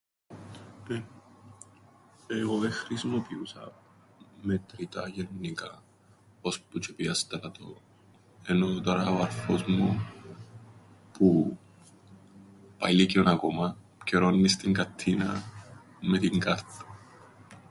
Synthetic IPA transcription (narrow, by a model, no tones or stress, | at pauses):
eɣoexɾisimopiusɐ̰ | met̪ɾit̪ɐʝenːikɐ | osput͡ʃepiɐst̪ɐkɐt̪o̰ | enot̪oɾɐɐɾfozmu | pu | pɐ̰liconɐkomɐ | ceɾo̞nːist̪iŋɡɐt̪ʰːinɐ | met̪iŋɡɐɾt̪ɐ̥